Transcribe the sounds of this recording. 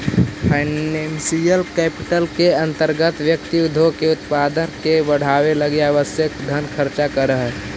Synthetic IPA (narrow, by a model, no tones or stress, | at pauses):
pʰaɪnɛnsijəlkɛːpɪʈəlkeə̃nt̪əɾɡət̪ʋjəkt̪iud̪ʱokeʊt̪pad̪ənkebəɽ̤aweləɡeaʋəsjəkd̪ʱənkʰəɾt͡ʃakəɾəɦə